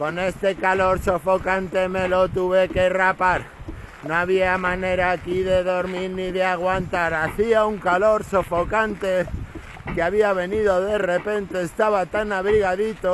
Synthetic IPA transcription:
ko̞ne̞st̪e̞kalo̞ɾso̞fo̞kant̪e̞me̞lo̞t̪uβe̞ke̞rapaɾnoaβiamãne̞ɾaːkiðe̞ðo̞ɾmiɾniðeaɣ̞want̪aɾaθiauŋkalo̞ɾsofo̞kant̪e̞ | keaβiaβe̞niðo̞ðe̞re̞pe̞nt̪e̞ːst̪aβat̪anaβɾiɣaðit̪o

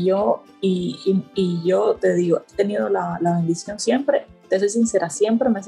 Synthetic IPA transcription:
ʝo | iiʝo̞t̪e̞ðiɣoet̪e̞niðo̞lalaβe̞nd̪isjo̞nsje̞mpɾe̞t̪es̬ojs̬inse̞ɾasje̞mpɾe̞mes

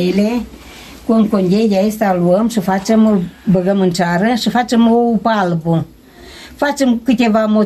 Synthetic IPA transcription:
le | kʷoŋkond͡ʒʲeɡʲaistaluəmʃɨfat͡ʃəmbəɡəmɨnt͡ʃaɾəsɨfat͡ʃəmupalbu | fat͡ʃɨmkɨtʲevamo

